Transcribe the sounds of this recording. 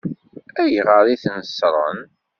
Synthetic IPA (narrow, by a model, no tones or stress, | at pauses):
æjʁəɾˤiθnəsɾˤə̰n